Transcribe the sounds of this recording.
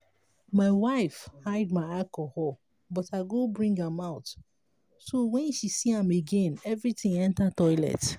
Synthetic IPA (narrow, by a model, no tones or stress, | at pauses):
maɪwaɪfhaɪd̚maɪalkohɔl | bɔtaɡobɹĩŋɡãmaʊt | sowɛ̃nʃisiãmeɡẽnɛvɹitɪ̃ŋɛ̃ntatɔɪlɛ̰t